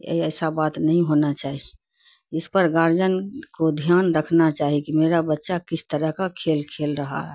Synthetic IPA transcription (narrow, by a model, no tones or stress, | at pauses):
ḛiəɪsabat̪nəɦĩɦonat͡ʃaːɦi | ɪspəɾɡaɾd͡ʒənkod̪ʱjaːnɾəkʰnat͡ʃaːɦikimeɾabətːʃakisʰt̪əɾəɦkakʰelkʰelɾəɦa̰ɦɛ